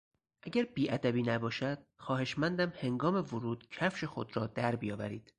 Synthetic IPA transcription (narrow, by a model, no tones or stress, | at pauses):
ʔæɟæɾbiːʔæd̪æbiːnæbɒːʃæd̪̥̚xɒːhe̞ʃmænd̪æmhe̞ŋɡɒːme̞voɾuːd̪̥cʰæfʃexo̞̰d̪ɾɒːd̪æɾbijɒːvæ̰ɾḭːd̪̥